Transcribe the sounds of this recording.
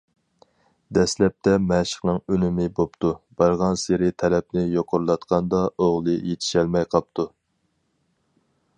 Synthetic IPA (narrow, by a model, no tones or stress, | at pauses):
d̪ɛslɛp̚t̪ʰɛmɛʃə̥χnɨŋønɪmɪbopt̪ʰubɑɾʁɑnseɾɪt̪ʰɛlɛp̚nɪjoqʰʊɾlˠɑt̪qʰɑnd̪ɑoʁlˠɨjet̪ʰɪ̥ʃɛlmɛjqʰɑp̚t̪ʰu